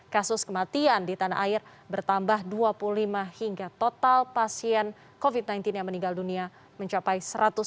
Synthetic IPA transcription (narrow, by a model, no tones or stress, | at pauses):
kasʊskəmat̪iandit̪ana̰ʔaɪr | bərt̪ambahduapuulimahiŋɡat̪ot̪alpasiɛn | kovid̪̚najnt̪ɪnjaŋməniŋɡaldunia | məɲt͡ʃapajsəɾat̪ʊ